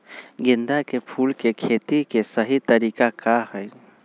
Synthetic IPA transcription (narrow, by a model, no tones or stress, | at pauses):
ɡɪnd̪akepʰuːlkekʰeːt̪ikesəɦit̪əɾiːkakahɛ